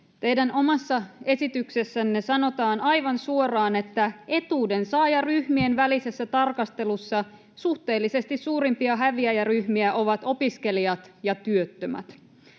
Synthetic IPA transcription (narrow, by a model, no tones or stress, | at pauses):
t̪e̞jdæno̞mɑsːɑe̞sit̪ykse̞sːænːesɑno̞t̪ɑːnɑjʋɑnsuo̞rɑːne̞t̪ːæe̞t̪uːde̞nsɑːjɑryhmienʋælise̞sːæt̪ɑrkɑst̪e̞lusːɑ | suht̪e̞ːlːise̞st̪isːuːɾimpiɑɦæʋiæjæryhmiæʔo̞ʋɑt̪o̞piske̞liɑt̪jɑt̪yø̞t̪ːømæ̰t̪